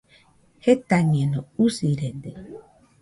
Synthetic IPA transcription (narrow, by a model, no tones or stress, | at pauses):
het̪aɲiẽnousiɾend̪e